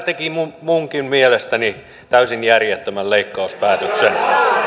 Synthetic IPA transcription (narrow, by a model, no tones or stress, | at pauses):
t̪ekimumuŋkimmielest̪æni | t̪æysinjærjet̪ːømælleikːɑuspæːt̪øksen